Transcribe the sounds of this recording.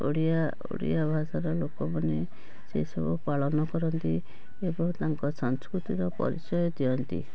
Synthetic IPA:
o̰ɽija | o̰ɽḭjabʱasaɾɔlokɔmane | sḛsɔbupaɭɔnɔkɔɾɔnt̪i | ebɔŋt̪aŋkɔsɔŋskɾut̪iɾɔpɔ̰ɾḭt͡ʃɔjɔd̪iɔnt̪ḭ

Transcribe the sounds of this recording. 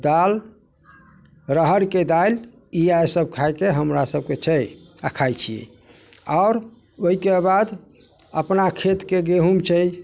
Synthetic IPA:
d̪al | ɾəɦəɾked̪al | iajsəb̚kʰajkeɦəmɾasəb̚ket͡ʃʰəj | akʰajt͡ʃʰiḛ | ɔʊɾ | oɦikebad̪ | əpnakʰet̪keɡeɦumt͡ʃʰəj

